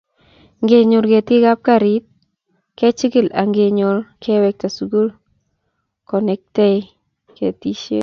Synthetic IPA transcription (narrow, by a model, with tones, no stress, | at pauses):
ŋɡe˨ɲo˨ɾke˨tɪ˦ɡa˦p̚ka˨ɾi˦t̪̚ | kɛ˦t͡ʃɪ˦kɪ˦˨la˨ŋɡe˨ɲo˨lkʰɛ˦wɛ˦k̚ta˨su˨ɡu˦l | kɔ˨nɛ˨k̚tɛ˦ɪ | kḛ˨ti˦ʃḛ˦